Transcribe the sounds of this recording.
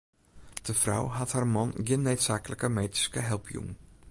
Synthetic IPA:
d̥əfra̰wɦatharmɔnɡɪnːøɥtsaːkələkəmeːti̥skəɦɛlˠpʰjṵŋ

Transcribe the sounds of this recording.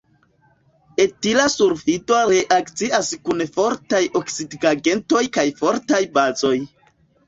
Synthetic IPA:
etilasuɾfidoɾeʔakt͡siaskunfo̞ɾtajʔo̞ksidɡaɡe̞nto̞jkajfo̞ɾtajbazo̞j

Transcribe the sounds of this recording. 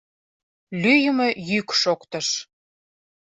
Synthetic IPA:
lyjəmə̆jykʃokt̪ə̆ʃ

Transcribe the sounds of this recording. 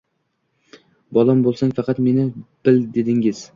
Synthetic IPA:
bɒlˠambolˠsaŋfɑqɑt̪me̞nɪb̥ɪld̪e̞d̪ɪŋɪz̥

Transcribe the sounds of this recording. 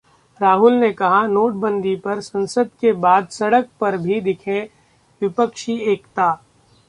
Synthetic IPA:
ɾaːɦʊlnekɐɦanoːʈ̚bə̃nd̪ipɐɾsɐ̃nsəd̪kebaːd̪sɐɽək̚pɐɾbʱid̪ɪkʰẽ | ʋɪpəkʃieːkt̪aː

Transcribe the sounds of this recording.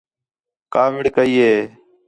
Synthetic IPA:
kaːʋɪɽkəiːɦeː

